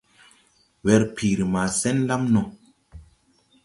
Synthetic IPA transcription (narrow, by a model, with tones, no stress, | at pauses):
wɛ˧ɾpʰi˨ɾi˨ma˨sɛ˦nla˦mnɔ˨